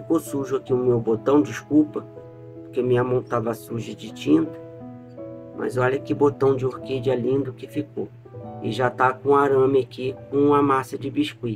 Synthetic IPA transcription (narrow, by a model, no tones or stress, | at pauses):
fikosuʒʊakiʊmewbot̪ɐ̃w̃d͡ʒiskuwpɐ | poɾkemĩɲɐmɐ̃w̃t̪avɐsuʒɐd͡ʒɪt͡ʃĩnt̪ɐ̥ | mʔɐ̰zɔʎɐkɪbot̪ɐ̃w̃d͡ʒɪoɾked͡ʒɛlĩnd̪ʊkɪfiko | ɪ̰ʒat̪akõaɾɐ̃mɐkikõɐmasɐd͡ʒɪbiʃkui